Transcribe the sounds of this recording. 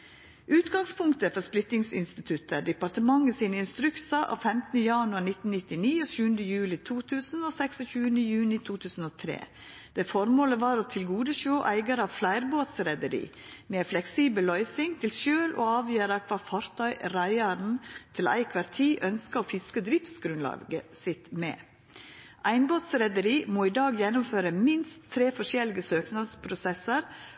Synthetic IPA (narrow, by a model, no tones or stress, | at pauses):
ʔʉːt̪ɡɑŋspʰʊŋkt̪əfɔɾsplɪt̪nɪŋsɪ̰nst̪ɪt̪ʰʉt̪ʰəɖɛpɑɾʈəmɑŋːəsiːnəɪnst̪ɾʉksɑʔɑ̰ːʋfɛmt̪nəjɑnʉɑɾnɪt̪n̩nɪt̪ɪniːoːʃʉːənd̪əjʉːlɪt̪ʰuːt̪ʰʉːsn̩oːsɛksɔçʉːənəjʉːnɪt̪ʰuːt̪ʰʉːsn̩oːt̪ʰɾḛː | d̪̥efɔɾmoːləʋɑːɾoːt̪ʰɪlɡuːd̪əʃoːʔæɪɡəɾəɑːʋflæɪɾboːt̪sɾɛd̪əɾḭːmeːflɛksiːbəllːœʏsɪŋt̪ʰɪlʃøːlʔo̰ːɑːʋjøːɾəkʰʋɑːfɑɾt̪ʰœʏɾæɪəɾnt̪ʰɪlæ̰ɪkʰʋɑɾt̪ʰiːʔœnskəoːfɪskəd̪ɾɪft̪sɡɾʉnlɑ̰ːɡəsɪt̪mɛ̰ː | ʔæɪnboːt̪sɾɛd̪əɾiːmoːiːd̪ɑːɡjɛnʊmføːɾəmɪnst̪ʰːɾeːfɔʂɛlɪɡəsøːknɑlspʰɾʊsɛsəɾ